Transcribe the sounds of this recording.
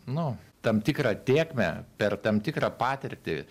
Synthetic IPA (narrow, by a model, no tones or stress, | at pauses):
nʊt̪ɐmt̪ʲɪkɾɑːt̪ʲeːkmʲɛ̰pʲɛrt̪ɐmt̪ʲɪkɾɐːpɑːt̪ʲɪɾʲt̪ʲɪ